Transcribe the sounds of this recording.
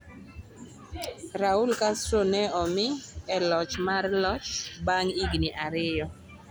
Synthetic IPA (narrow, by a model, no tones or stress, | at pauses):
ɾaulkastɾonɛɔmɪɛlɔt͡ʃmarlɔt͡ʃbaŋiɡniʔaɾɪjɔ